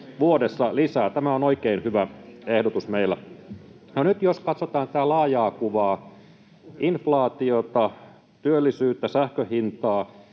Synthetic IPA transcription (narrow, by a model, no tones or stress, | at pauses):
ʋuodesːɑlisæːt̪æmæonoikeinhyʋæehdot̪usmeilːˑæ | nonyt̪joskɑt̪sot̪ɑːnt̪it̪ælɑːjɑːkuʋɑː | inflɑːt̪iot̪ɑ | t̪yølːisyːt̪ːæsæhkøhint̪ɑː